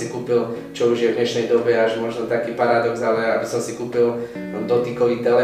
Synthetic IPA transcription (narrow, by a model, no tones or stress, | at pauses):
ikuːpil | t͡ʃɔuʒjɛvd̪ɲɛʃnɛjd̪ɔbɛaʒmɔʒnɔt̪akiːpaɾad̪ɔɡzalɛabisɔmsikuːpil | d̪ɔt̪ikɔʋiːt̪ɛlɛ